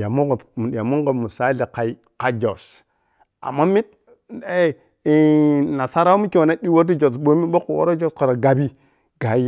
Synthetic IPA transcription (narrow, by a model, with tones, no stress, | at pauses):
ja˨mu˦ɡdi˨ja˨mu˦ɡo˨mu˨sa˦li˨ka˨i˦ | ka˨d͡ʒo˨s | a̰˨mːa˦mi˦t̚ | e˦˨˦ | na˨sa˦ɾa˦wmi˦ki˦wo˨na˦ɗi˦wo˦ɾti˦d͡ʒo˨sɓo˦mi˦ɓo˦ku˨wo̰˦ɾo˦d͡ʒo˦ska˨ɾa˨ɡa˦bi˦ | ɡa˨˦